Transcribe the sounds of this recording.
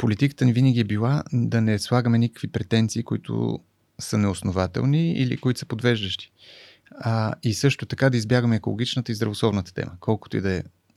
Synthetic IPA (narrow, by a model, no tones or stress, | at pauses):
polit̪ikə̥t̪ənivinəɡʲiɛbilˠad̪ɐnɛslˠaɡəmɛnikə̥kvipɾɛt̪ɛnt̪siːkʊit̪ʰʊ̰ | sənɛosnovat̪ɛ̰lˠniḭlḭkʊit̪osəpod̪vɛʒd̪əʃt̪i̥ | isɤʃt̪ot̪ɐkad̪ɐizbjaɡəmɛːkolˠo̰ɡit͡ʃnət̪əizd̪ɾɐvoslˠɔvnət̪ə̥t̪ɛ̰mʔəkʰɔlˠkʊ̥t̪oḭd̪ɐɛ